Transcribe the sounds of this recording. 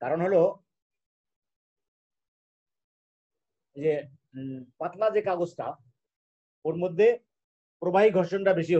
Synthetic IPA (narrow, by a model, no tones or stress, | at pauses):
kaɾonɦolo | d͡ʑe | pat̪lad͡ʑekaɡosʈʰa̰ | oɾmod̪ʱːe | pɾobaɦiɡʱɔɾʃonʈabeʃ̬i